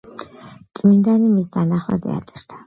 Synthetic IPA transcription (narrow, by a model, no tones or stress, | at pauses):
t̪sʼmind̪animisd̪anaχwa̰zɛ̰a̰t͡ʃʼɛɾd̪ʰḁ